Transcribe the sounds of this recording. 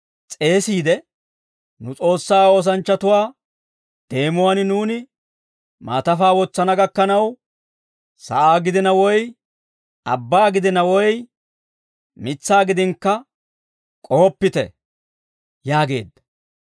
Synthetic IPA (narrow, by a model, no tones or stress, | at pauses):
t͡sʼe̞ːsiːd̪ɛ | nʊt͡sʼo̞ːsːaːo̞ːs̬ɐnt͡ʃːɐt̪ʊwaː | d̪̥e̞ːmʊwannuːnɪ | ma̰ːt̪ɐfaːwɔt͡sːɐnɐɡɐkːɐnɐw | sɐ̰ʔaːɡɪd̪ɪnɐwɔj | ɐ̰bːaːɡɪd̪ɪnɐwɔj | mɪt͡sːaːɡɪd̪ɪŋkːɐ | kʼoːpːɪt̪ɛ̰ | jaːɡe̞̰ːd̪ːɐ̥